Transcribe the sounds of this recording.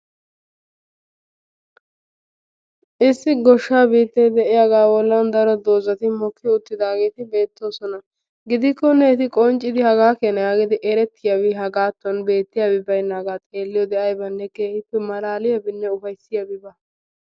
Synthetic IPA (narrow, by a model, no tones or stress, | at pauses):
ʔɪsːɪɡɔʃːaːbiːt̪ːɛjd̪ɛʔɪjaɡaːwɔlːɐnd̪ɐɾɔd̪o̞ːzɐt̪ɪmɔkːɪʊt̪ːɪd̪aːɡe̞ːt̪ɪbe̞ːt̪ːo̞ːsɔnɐ | ɡɪd̪ɪkːɔnːɛɛt̪ɪkʼɔnt͡ʃʼːɪd̪ɪhɐɡaːkeːnɐjaːɡɪd̪ɪʔɛɾɛt̪ːɪjawɪɦɐɡaːt̪ːʊɔnbe̞ːt̪ːɪjabɪbɐjnːaːɡaːt͡sʼe̞ːlːɪjɔd̪ɛʔɐjbɐnːɛkeːɪpːɛmɐlaːlɪjɐbɪnːɛʊfɐjsːɪjabɪbɐ